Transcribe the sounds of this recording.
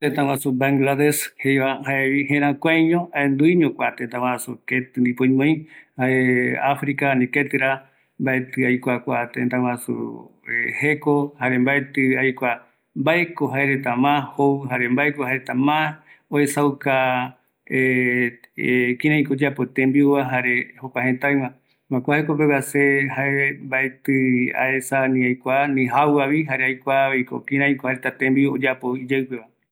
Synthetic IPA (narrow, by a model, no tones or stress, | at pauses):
t̪ent̪ãwãsubaŋɡlaðeshejβahaeβihẽɾ̃ãkʷajɲõaend̪uiɲõkʷat̪ent̪ãwasuket̪ɨnd̪ipõjmõj̃haeafɾikanĩket̪ɨɾa | mbaet̪ɨajkʷakʷat̪ẽnt̪ãw̃ãsṵehekohaɾembaet̪ɨajkʷa | mbaekoɦaeɾet̪amãhoɨɦaɾe̞mbaekohaeɾet̪amãoesawka | e | kĩɾ̃ãj̃kood͡ʒapot̪ẽmbiuβaɦaɾe̞hokʷaɦẽt̪aj̃wã | mãkʷahekopeβasehaeembaet̪ɨa̰esanĩajkʷanĩɦawaβiɦaɾeajkʷaejko̰kĩɾ̃ãj̃kohaɾet̪at̪ẽmbiod͡ʒapoid͡ʒewpe̞βa